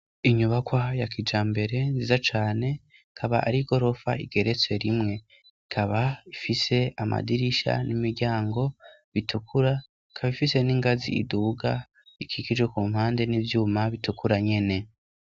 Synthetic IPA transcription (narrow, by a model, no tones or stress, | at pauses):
iɲuβakwajakid͡ʒaːmbe̞ɾe̞nzizat͡ʃaːne̞ | kʰaβaʔa̰ɾiɡo̞ɾo̞fa̰ḭɡeɾe̞t͡swe̞ɾimŋe̞ | ikʰaβaifise̞ama̰diɾiʃa̰nimiɾɟaːŋɡo̞ | βitʰukʰuɾa | ikʰaβifise̞niŋɡazḭːduːɡa | ikʰiɡid͡ʒwekuːm̥haːnde̞nivjuːmaβitukuɾaɲe̞ne̞